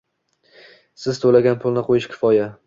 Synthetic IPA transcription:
sɪzt̪ʰolaɡʲanpʰʊlˠnɪqʰojɪʃkʲʰɪ̥fɒja

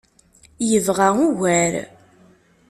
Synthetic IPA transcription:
jəvʁæuʝæɾ

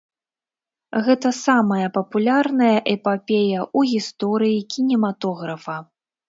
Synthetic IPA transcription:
ɣɛt̪ɐsamɐjɐpɐpulʲarnɐjɐʔɛpapʲejɐʔuɣʲist̪ɔɾɨjikʲinʲɛmat̪ɔɣɾɐfɐ

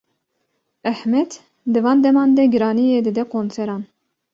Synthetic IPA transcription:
æhmɛd̪ | d̪ɨvɑːnd̪ɛmɑːnd̪ɛɡɨɾɑːnijeːd̪ɨd̪ɛkʰoːnsɛɾɑːn

